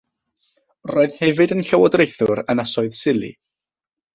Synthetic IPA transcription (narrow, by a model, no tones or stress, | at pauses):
roːɨðhɛvɨdənɬəwɔdrejθʊɾənasɔɨðsɪlˠḭ